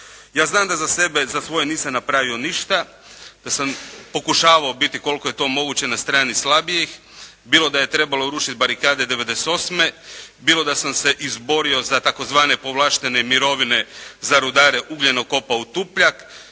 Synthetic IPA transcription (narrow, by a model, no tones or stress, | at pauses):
jaːznaːmd̪azase̞bezasʋo̞jeniːsamnapɾaʋioniʃt̪a | d̪̥asampo̞kuʃaːʋaobit̪iko̞lkoje̞t̪o̞ːmo̞ɡuːt͡ɕe̞nast̪ɾaːnislˠabijex | biːlˠo̞d̪aje̞t̪ɾe̞baloɾuːʃit̪̚baɾikaːd̪ed̪eʋe̞d̪ese̥t̪o̞sme̞biːlˠo̞d̪asamse̞ʔizbo̞ɾio̞zat̪ako̞zʋaːne̞po̞ʋlˠaːʃt̪e̞nemiɾo̞ʋine̞zaɾud̪aːɾe̞ʔuɡʎe̞no̞ko̞paut̪upʎak